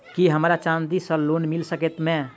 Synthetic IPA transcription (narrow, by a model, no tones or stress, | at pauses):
kiɦəmɾat͡ʃãnd̪isəlonmilsəkɛt̪mẽ